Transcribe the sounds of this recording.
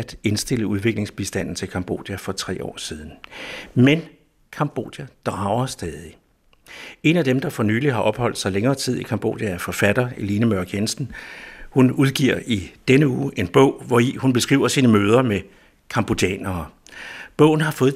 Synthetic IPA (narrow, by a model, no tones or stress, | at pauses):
æd̥e̝nsd̥e̝l̰əuð̞ˠʋe̝ɡ̥le̝ŋsb̥isd̥æn̰n̩t͡sʰe̝lkʰɑ̈mb̥o̝̰ːd̥jæfɒ̽t͡sʰʁɛ̰ːɒ̰ːsiːð̞ˠn̩men | kʰɑ̈mb̥o̝̰ːd̥jæd̥ʁɑ̈ʊɐsd̥ɛːðˠi | e̝næd̥emd̥ɑ̈fɒ̽ny̰ːliɦɑ̈ʔɒ̽b̥hɒ̽l̰d̥sɑ̈ɪleŋɐːt͡sʰið̞̰ˠikʰɑ̈mb̥o̝̰ːd̥jæɐfɒ̽fæd̥ɐe̝linəmɶɐɡ̥jensn̩hunuðˠɡ̥iɐ̰id̥enəuːʔe̝nb̥ɔ̽ʊ̰ʋɒihunb̥e̝sɡ̥ʁḭʊɐsiːnəmøːð̞ˠɐme | kʰɑ̈mb̥o̝d̥ɛ̰ːnɐː | b̥ɔ̽ʊ̰n̩ɦɑ̈fɔ̽ːð̩